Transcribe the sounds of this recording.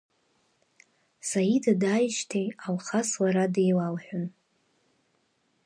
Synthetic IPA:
saidadaːjʒtʰejalχaswaɾadejlalħʷᶣʊn

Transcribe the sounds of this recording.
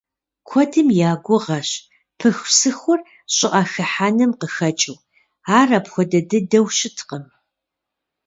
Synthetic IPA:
kʷʰɔdɨmjaːɡʷʊʁɐɕ | pʰɨxʷsɨxʷʊr | ɕʼɪʔɐxɨħaːnɨmqəxɐt͡ʃʼɪw | aːrɐpxʷɔdɐdɨdɐwɕɪtʰqəm

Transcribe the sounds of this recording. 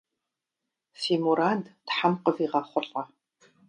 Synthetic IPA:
fiːmuɾaːndtħamqəviːʁɑχʷʊrɬʼɐ

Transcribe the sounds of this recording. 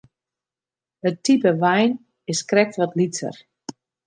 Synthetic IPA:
ətːipəʋɛjn | ɪskrɛk̚tʋɔtlisə̰r

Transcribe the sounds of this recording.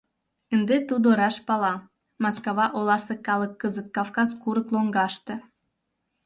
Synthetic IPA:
ənd̪et̪ud̪oɾɑʃpɑlɑ | mɑskoβɑʔolɑsekɑləkːəzət̪̚kɑfkɑzkuɾəkloŋɡɑʃt̪ĕ

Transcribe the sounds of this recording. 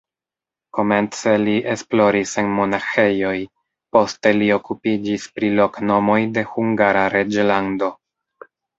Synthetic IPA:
ko̞me̞nt͡se̞liʔesplo̞ɾisenmo̞naɾxe̞jo̞j | po̞ste̞lio̞kupid͡ʒispɾilo̞kno̞mo̞jde̞huŋɡaɾaɾe̞d͡ʒlando̞

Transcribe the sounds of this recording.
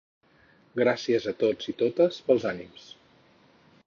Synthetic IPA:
ɡɾasiəzət̪od͡zit̪ot̪əspəlˠzanims

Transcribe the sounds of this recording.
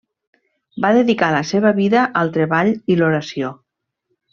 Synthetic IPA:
baðeðikaləseβəβiðəʔəlˠt̪ɾeβaʎiloɾəsio

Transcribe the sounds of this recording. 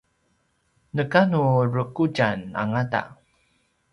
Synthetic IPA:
nəkanuɾəkud͡ʒana̰ŋata̰

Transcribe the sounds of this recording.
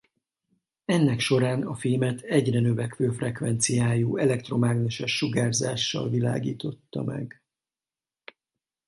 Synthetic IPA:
ɛnːɛkʃo̞ɾaːnɒfiːmɛt̪ʰɛɟrɛnøvɛkʋøːfrɛkvɛnt̪sijaːjuːɛlɛk̚t̪ro̞maːɡneʃɛʃːuɡaːrza̰ːʃːɒ̰lvila̰ːɡiːt̪o̞t̪ːɒ̰mɛ̰ɡ

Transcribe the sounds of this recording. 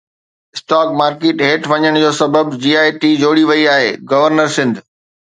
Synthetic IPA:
ɪsʈaːkmaːɾkeːʈɦeːʈʰʋɐɲəɽ̃d͡ʑoːsɐbəbd͡ʑiːaːiʈiːd͡ʑoːɽiʋɐiaːɦḛːɡɐʋəɾnəɾsɪ̃nd̪ʱ

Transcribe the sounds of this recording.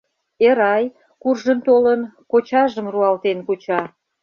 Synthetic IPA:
eɾɑj | kurʒənt̪olənkot͡ɕɑʒəmruɑlt̪enkut͡ɕɑ

